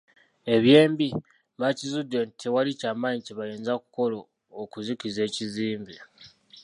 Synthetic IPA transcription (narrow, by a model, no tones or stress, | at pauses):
e̞βje̞ːmbi | macizudːe̞ntʰewalicaːmaɲiceβajeːnzaku̥ko̞loː | kuzikize̞ːciziːmbi